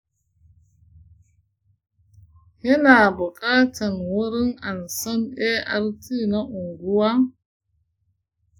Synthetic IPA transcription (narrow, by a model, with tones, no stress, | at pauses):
hi˦na˨bu˨kʼa˦ta˨nwu˦ɾi˦ŋa˨nsa˦ne˦ʔa˦ɾtʰi˦na˦ʔu˨ŋɡu˦wa˦